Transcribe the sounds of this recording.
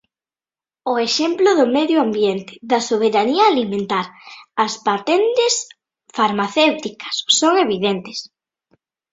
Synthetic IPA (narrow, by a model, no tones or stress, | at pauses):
ʊeʃɛmplʊðʊmeðjʊambjent̪ɪ̥ðɐsoβ̞eɾaniaːlimẽnt̪aɾɐspat̪ent̪ɪs | faɾmaθewt̪ikɐ̥sːoŋeβiðent̪ɪs